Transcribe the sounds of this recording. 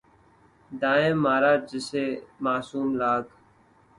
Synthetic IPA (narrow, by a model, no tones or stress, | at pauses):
d̪aːẽːmːaːɾaːd͡ʒɪseːmaːsuːmlaːɡ